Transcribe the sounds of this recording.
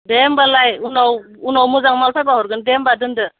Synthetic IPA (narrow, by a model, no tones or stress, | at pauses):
dembalajunaw | unawmuzaŋmalsʰajbaɦɔɾɡɯndembadɯndɯ